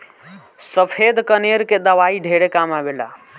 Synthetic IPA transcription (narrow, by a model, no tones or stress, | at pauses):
səpʰed̪kəneɾked̪əʋaiɖʱeɽekamabela̰